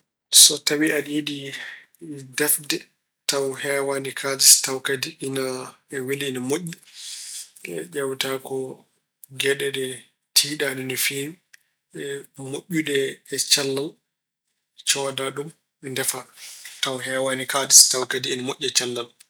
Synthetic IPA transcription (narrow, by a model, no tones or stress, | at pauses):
sɔtawialjedi | dɛfdɛ | tawhɛːwanikʰadistawkadiʔina | ɛwiliinamoʔːi | ɛ̰ʄɛwtakɔ | ɡɛɗɛɗɛ | tʰiːɗaɗɛnɔfi | ɛmoʔːuɗɛɛt͡ʃalːal | t͡ʃɔdaɗum | ɛndɛfatawɦɛːwanikadistawkadiːnamoʔʲːɛt͡ʃalːal